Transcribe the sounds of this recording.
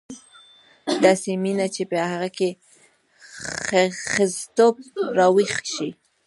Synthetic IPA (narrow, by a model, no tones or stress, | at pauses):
d̪ɑseminat͡ʃepəhaɣake | xəzt̪op̚ɾɑwixʃi